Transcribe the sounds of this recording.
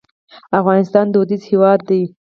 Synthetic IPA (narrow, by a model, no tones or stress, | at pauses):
afɣɑnɪst̪ɑnd̪əud̪izhewɑd̪̚ːaj